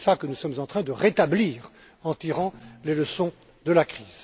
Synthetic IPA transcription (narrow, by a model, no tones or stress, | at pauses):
sakənusɔmzɑ̃t̪χɛ̃d̪əʁet̪abliːʁ | ɑ̃t̪iʁɑ̃leləsɔ̃ | d̪əlakχiːz̥